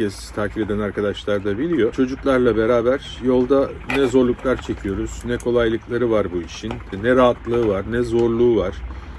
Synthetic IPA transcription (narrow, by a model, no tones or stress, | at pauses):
ɛz̥t̪ʰaːcʰibe̞d̪ænaɾkʰad̪aʃlˠaɾd̪abilʲijo̞t͡ʃʰo̞d͡ʒuklˠaɾlˠabe̞ɾaːbæɾ̥ | jo̞lˠd̪anɛzo̞ɾlˠuklˠaɾt͡ʃʰe̞cʰijo̞ɾuz̥nɛkʰo̞lˠajlˠɯklˠaɾɯvaɾbuiʃinnɛɾaːat̪lˠɯɯvaɾnɛzo̞ɾlˠuːvaɾ̥